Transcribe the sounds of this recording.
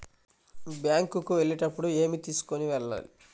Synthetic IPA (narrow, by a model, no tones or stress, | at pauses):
bjaːŋkukuʋe̞ɭiʈɐpːuɽue̞ːmit̪iːsu̥koniʋɛɭːa̰ːlḭ